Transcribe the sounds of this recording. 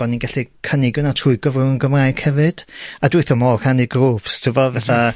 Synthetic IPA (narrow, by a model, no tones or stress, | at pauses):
ɔninɡaɬikʰənɪɡjʊnatʰʊɨɡəvrʊənɡəmrajɡ̥hɛvɨd̥adwɪɨθɔmɔkʰaniɡrupstʰɪvɔvɛθa